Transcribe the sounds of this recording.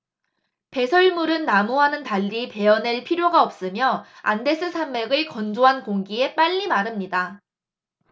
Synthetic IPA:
pe̞sʰʌɭmuɾɯnːamoɦanɯntaʎːipe̞ʌneɭpʰiɾjoɡaʌp̚s͈ɯmjʌa̰nde̞s͈ʰɯsʰamːeɡɯɭkʌnd͡ʑoɦankoŋɡie̞p͈aʎːimaɾɯmɲida

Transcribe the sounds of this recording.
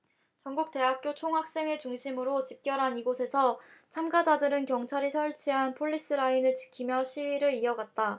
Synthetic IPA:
t͡ɕʌŋɡuk̚t͈e̞ɦak̚k͈jot͡ɕʰoŋɦak̚s͈e̞ŋɯt͡ɕuŋɕʰimɯɾot͡ɕip̚k͈jʌɾɦaniɡosʰe̞sʰʌt͡ɕʰamɡad͡ʑadɯɾɯnkjʌŋt͡ɕʰaɾisʰʌɭt͡ɕʰiɦanpʰoʎːis͈ɯɾainɯɭt͡ɕi̥kʰimjʌɕʰiɥiɾɯɾiʌɡat̚t͈a

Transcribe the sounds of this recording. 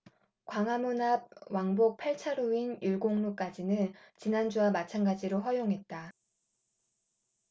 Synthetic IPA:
kwaŋɦamunab̚waŋbok̚pʰaɭt͡ɕʰaɾuinjuɭɡoŋnuk͈ad͡ʑinɯnt͡ɕinand͡ʑuamat͡ɕʰanɡad͡ʑiɾoɸwʌjoŋɦe̞t̚t͈a

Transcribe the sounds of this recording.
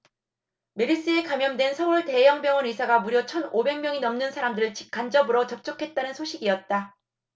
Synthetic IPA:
me̞ɾis͈ɯe̞kamjʌmdwe̞nsʰʌuɭte̞jʌŋbjʌŋʌnisʰaɡamuɾjʌt͡ɕʰʌnobe̞ŋmʲjʌŋinʌmnɯnsʰaɾamdɯɾɯɭt͡ɕi̥k̚k͈and͡ʑʌbɯɾʌt͡ɕʌp̚t͡ɕ͈ʌkʰe̞t̚t͈anɯnsʰoɕʰiɡiʌt̚t͈a

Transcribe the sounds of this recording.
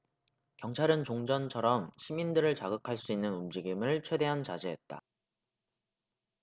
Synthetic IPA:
kjʌŋt͡ɕʰaɾɯnt͡ɕoŋd͡ʑʌnt͡ɕʰʌɾʌmɕʰimindɯɾɯɭt͡ɕaɡɯkʰaɭs͈uinːɯnumd͡ʑiɡimɯɭt͡ɕʰwe̞de̞ɦant͡ɕad͡ʑeɦet̚t͈a̰

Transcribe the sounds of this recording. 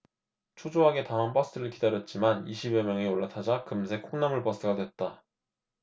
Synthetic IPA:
t͡ɕʰod͡ʑoɦaɡe̞taŋanpʌsʰɯɯɾɯɭkidaɾjʌt̚t͡ɕ͈imaniɕʰibjemjʌŋeoɭːatʰad͡ʑakɯmsʰe̞kʰoŋnamɯɭpʌs͈ʰɯɡadwe̞t̚t͈a

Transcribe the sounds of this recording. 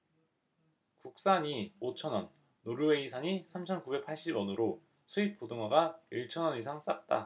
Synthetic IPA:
kuk̚s͈aɲiot͡ɕʰʌnʌnː | oɾue̞isʰaɲisʰamt͡ɕʰʌnkube̞k̚pʰaɭɕ͈ibʌnuɾo | sʰuip̚p͈odoŋwaɡaiɭt͡ɕʰʌnʌnisʰaŋs͈at̚t͈a̰

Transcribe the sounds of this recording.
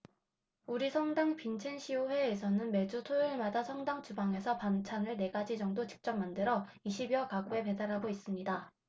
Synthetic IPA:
uɾisʰʌŋdaŋpint͡ɕʰenɕʰioɸwe̞ːsʰʌnɯnme̞d͡ʑutʰoiɭmadasʰʌŋdaŋt͡ɕubaŋe̞sʰʌpant͡ɕʰanɯɭne̞ɡad͡ʑid͡ʑʌŋdot͡ɕi̥k̚t͡ɕ͈ʌp̚mandɯɾʌiɕʰibiʌkaɡue̞pe̞daɾɦaɡois͈ɯmɲida

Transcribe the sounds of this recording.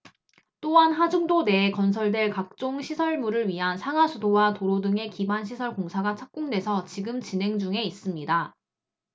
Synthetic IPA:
t͈oɦanɦad͡ʑuŋdone̞ːkʌnsʰʌɭdeɭkak̚t͡ɕ͈oŋɕʰisʰʌɭmuɾɯɭɥiɦansʰaŋasʰudowatoɾodɯŋe̞kibanɕʰisʰʌɭkoŋsʰaɡat͡ɕʰak̚k͈oŋdwe̞sʰʌt͡ɕiɡɯmt͡ɕine̞ŋd͡ʑuŋe̞is͈ɯmɲida

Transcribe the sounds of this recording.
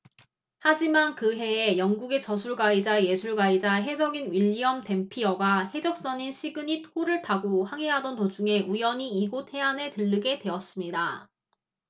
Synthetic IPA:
had͡ʑimankɯɦe̞ːjʌŋɡuɡe̞t͡ɕʌsʰuɭɡwaid͡ʑaeje̞sʰuɭɡaid͡ʑaɦe̞d͡ʑʌɡinɥiʎːiʌmte̞mpʰijʌɡahe̞d͡ʑʌk̚s͈ʌɲinɕʰiɡɯɲitʰoɾɯɭtʰaɡohaŋɦe̞ɦadʌntod͡ʑuŋe̞ujʌɲiiɡotʰe̞ane̞tɯɭːɯɡe̞twe̞ʌs͈ɯmɲida

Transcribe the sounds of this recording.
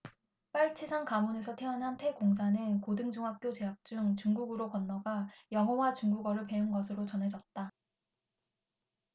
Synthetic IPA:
p͈aɭt͡ɕʰisʰaŋkamone̞s̬ʰʌtʰe̞ʌnɦantʰe̞koŋs̬ʰanɯnkodɯŋd͡ʑuŋɦak̚k͈jot͡ɕe̞ɦak̚t͡ɕ͈uŋt͡ɕuŋɡuɡɯɾokʌnːʌɡajʌŋɦʌwat͡ɕuŋɡuɡʌɾɯɭpe̞unɡʌsʰɯɾot͡ɕʌnɦe̞d͡ʑʌt̚t͈a

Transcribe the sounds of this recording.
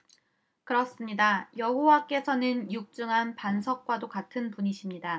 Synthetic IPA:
kɯɾʌs͈ɯmɲidajʌɦowak͈e̞sʰʌnɯnjuk̚t͡ɕ͈ɯŋɦanpansʰʌk̚k͈wadokatʰɯnpuɲiɕʰimɲida

